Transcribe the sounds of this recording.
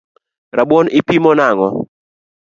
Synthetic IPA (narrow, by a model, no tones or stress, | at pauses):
rabwɔnɪpimɔnaŋɔ